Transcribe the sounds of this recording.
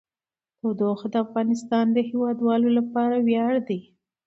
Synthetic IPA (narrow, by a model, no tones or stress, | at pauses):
od̪oxd̪əafɣɑnɪst̪ɑnd̪əhɪwɑd̪wɑlolapɑɾawjɑɽd̪i